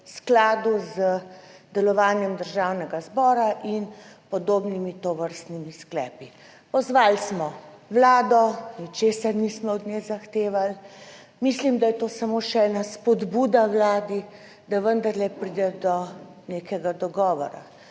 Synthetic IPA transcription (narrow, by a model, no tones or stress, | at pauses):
sklaːd̪uzəd̪ɛlɔʋaːnjɛmd̪əɾʒaːwnɛɡazbɔːɾaʔinpɔd̪oːbnimit̪oʋəɾst̪nimisklɛ̰ːpi | pɔzʋaːlsmɔwlaːd̪ɔnit͡ʃeːsaɾnismɔɔd̪nezaxt̪eːʋal | mislimd̪ajɛt̪oːsamoːʃɛɛːnaspɔd̪bud̪awlaːd̪i | d̪aʋənd̪aɾlɛpɾiːd̪ɛd̪ɔ | neːkɛɡad̪ɔɡɔːʋɔ̰ɾa̰